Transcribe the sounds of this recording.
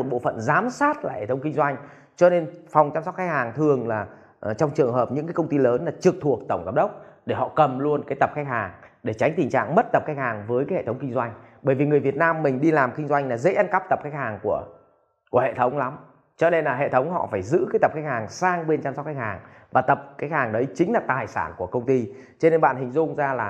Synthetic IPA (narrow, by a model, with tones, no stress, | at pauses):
o˨˩t̚ɓo̰˧˨fə̰˧˨nzaː˨˦msaː˦˥t̚laː˧˨˩hḛ˧˨t̪ʰwŋ͡mkï˧ŋ̟zwa˧jŋ̟ | t͡ɕɔ˧ne˧nfɔ˨˩wŋ͡mt͡ɕaː˧msɔ˦˥txa˦˥k̚haː˨˩ŋt̪ʰɨ˨˩əŋlaː˨˩˨ | t͡ɕɔ˧wŋ͡mt͡ɕɨ˨˩əŋɦəː˨˩p̚ɲɨ̰˧˥ŋkaː˨˦jkə˧wŋ͡mt̪i˧ləː˨˦nlaː˨˩t͡ɕɨ˨˩k̚t̪ʰu˨˩ək̚t̪ə˧˩wŋ͡mkaː˨˦m̚ɗə˦˥wk͡p̚ɗe˧˩hɔ̰˧˨kə˨˩mlu˧ənkaː˨˦jt̪ə˨˩p̚xa˦˥k̚haː˨˩ŋɗe˧˩t͡ɕa˨˦jŋ̟t̪ï˨˩ŋ̟t͡ɕa̰ː˧˨ŋmə˦˥t̚t̪ə˨˩p̚xa˦˥k̚haː˨˩ŋvəː˨˦jkaː˨˦jhḛ˧˨t̪ʰwŋ͡mkï˧ŋzwa˧jŋ̟ɓəː˧˩jvi˨˩ŋɨ˨˩əjvi˨˩ət̚naː˧mːï˨˩ŋ̟ɗi˧laː˨˩mkï˧ŋ̟zwa˧jŋlaː˨˩zḛ˧˥ʔa˧nka˦˥p̚t̪ə˨˩p̚xa˦˥k̚haː˨˩ŋku˧˩ə | ku˧˩əhḛ˧˨t̪ʰə˨˦wŋ͡mla˨˦m | t͡ɕɔ˧ne˧nlaː˨˩ɦḛ˧˨t̪ʰə˨˦wŋ͡mhɔ̰˧˨faː˧˩jzɨ̰˧˥kaː˨˦jt̪ə˨˩p̚xa˦˥jk̚haː˨˩ŋsaː˧ŋɓe˧nt͡ɕaː˧msɔ˦˥t̚ka˦jk̚haː˨˩ŋ | vaː˨˩t̪ə˨˩p̚xaː˦˥k̚haː˨˩ŋɗə˨˦jt͡ɕï˨˦ŋ̟laː˨˩t̪aː˨˩jsaː˧˩nku˧˩əkə˧wŋ͡mt̪i˧ | t͡ɕɔ˧ne˧nɓa̰ː˧˨nhï˨˩ŋ̟zʊ˧ŋ͡mzaː˧laː˨˩